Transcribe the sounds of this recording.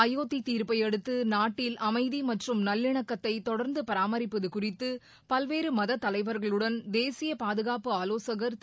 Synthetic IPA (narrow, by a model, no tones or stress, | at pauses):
ɐjoːt̪ːit̪iːɾpɐjɛɽɯt̪ːɯnaːʈːɪlʔɐmɐɪðimɐʈrɯmnɐlːɪɳɐkːɐt̪ːɐɪt̪ɔɽɐɾnd̪ɯpɐɾaːmɐɾɪpːɐðɯkʊrɪt̪ːɯ | pɐlʋeːɾɯmɐðɐt̪ːɐlɐɪʋɐɾɣɐɭɯɽɐnd̪eːsɪjɐpaːðɯɣaːpɯaːloːsɐɣɐɾ